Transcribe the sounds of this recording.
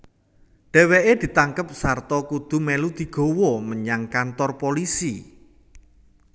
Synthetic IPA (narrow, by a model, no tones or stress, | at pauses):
ɖ̪̥e̤weʔed̪̥i̤t̪aŋkəp̚sart̪ɔkud̪̥ṳmelud̪̥i̤ɡ̥o̤wɔməɲaŋkant̪ɔrpolisi